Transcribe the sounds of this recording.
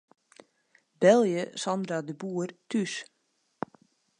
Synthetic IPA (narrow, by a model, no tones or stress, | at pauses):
bɛlˠjəsɔndɾadəbuːərtʰys